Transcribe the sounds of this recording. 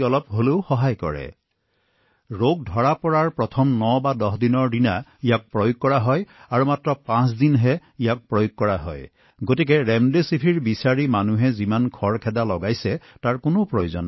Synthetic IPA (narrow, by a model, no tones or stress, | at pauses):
ɔlɔp̚ɦoleʊxɔɦajkɔ̰ɹɛ̰ | ɹoɡ̚dʱɔɹapɔɹaɹpɹɔtʰɔmnɔbadɔɦdinɔɹdinaijak̚pɹojoɡ̚kɔɹaɦɔjaɹumatɹɔpãsdinɦɛijak̚pɹojoɡ̚kːɔɹaɦɔ̰j | ɡotik̬ɛɹɛmdesipʰiɹbisaɹimanuɦɛzimankʰɔɹkʰɛdalɔɡajsɛtaɹkonopɹojozɔn